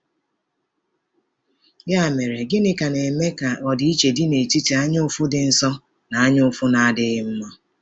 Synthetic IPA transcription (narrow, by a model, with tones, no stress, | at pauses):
ɡa˦˨me˨ɾe˨ɡɪ˦nɪ˦ka˨ne˨me˦ka˨ɔ˨dɪ˨˦i˦t͡ʃe˨dɪ˦ne˨ti˦ti˨a˦ɲʊ˦ʊ˦fʊ˦dɪ˨n̩˦sɔ˦ | na˨a˦ɲʊ˦ʊ˦fʊ˦na˨a˦dɪ˦ɣɪ˦m̩˦mɔ˦